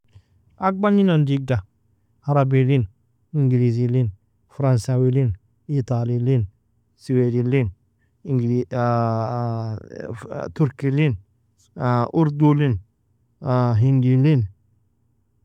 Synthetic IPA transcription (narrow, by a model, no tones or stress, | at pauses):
ak̚baninandiɡ̚da | aɾabilin | iŋɡilizilin | fɾansawilin | it̪alilin | siwedilin | iŋɡ | t̪uɾkilin | ʔuɾdulin | ɦindilin